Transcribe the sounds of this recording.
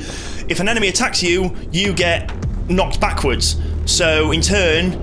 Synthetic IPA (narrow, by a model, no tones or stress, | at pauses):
ɪfə̃nɛñəmiətʰaksjə | jəɡɛʔ | nɒk̚tb̥akʰwədz̥soʊɪ̃ntʰɜːn